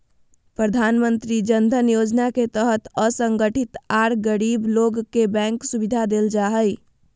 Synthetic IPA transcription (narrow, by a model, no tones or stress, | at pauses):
pɾəd̪ʱanmənt̪ɾid͡ʒənd̪ʱənjod͡ʒnaket̪əɦət̪əsəŋɡəʈʰit̪aɾɡəɾibloɡkebɛ̃ŋksubid̪ʱad̪eld͡ʒaɦəj